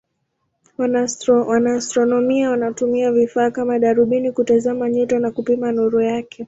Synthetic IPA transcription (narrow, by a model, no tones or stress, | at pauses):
anwanaːstɾɔnɔmiawanatumiavifaːkamaɗaɾuɓinikutazamaɲɔtanakupimanɔɾɔjakʰɛ